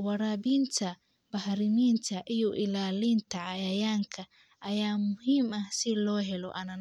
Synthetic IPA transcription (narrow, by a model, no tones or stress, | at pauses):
wɐɾaːbiːnt̪ʰɐ | bɐhɾɪmiːnt̪ʰɐʔijɔʔɪlaːlint̪ʰɐʕɑjɐjaːŋkʰɐ | ʔɐjaːmʊhiːmɐhsɪlɔːɦɛlɔ̰ʔɐnɐn